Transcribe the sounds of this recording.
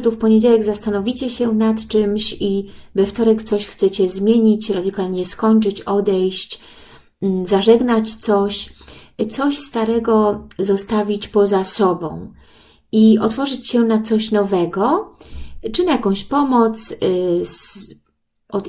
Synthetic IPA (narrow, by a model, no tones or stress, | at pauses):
t̪ufpɔɲed͡ʑawɛɡzast̪anɔvʲit͡ɕɛɕɛnat̪t͡ʂɘmɕivɛft̪ɔɾɛkt̪sɔɕxt̪sɛt͡ɕɛzmʲjeɲit͡ɕɾad̪ɘkalɲɛskɔɲt͡ʂɘt͡ɕɔd̪ɛjɕt͡ɕ | zaʐɛɡnat͡ɕt̪sɔɕt̪sɔɕst̪aɾɛɡɔzɔst̪avʲit͡ɕpɔzasɔbɔ̰̃w̃ | iɔt̪fɔʐɘt͡ɕɕɛnat̪sɔɕnɔvɛɡɔ | t͡ʂɘnajakɔ̃w̃ɕpɔmɔt̪ss | ʔɔ